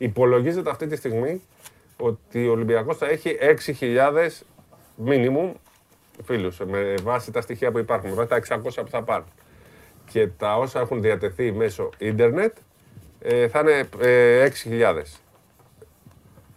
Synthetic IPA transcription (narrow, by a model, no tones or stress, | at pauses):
ipo̞lo̞ʝize̞t̪e̞ɐft̪it̪ist̪iɣmi | o̞t̪iolimbiɐko̞sθɐe̞çiʔe̞ksiçiʎɐðe̞s | minimum | filusmevɐsit̪ɐst̪içiɐpuipɐɾxunmevɐsit̪ɐe̞ksɐko̞sçɐpuθɐpɐnun | ce̞t̪ɐo̞sɐe̞xunðiɐt̪e̞θime̞so̞ind̪e̞ɾne̞t̪ | θɐine̞e̞ksiçiʎɐðe̞̰s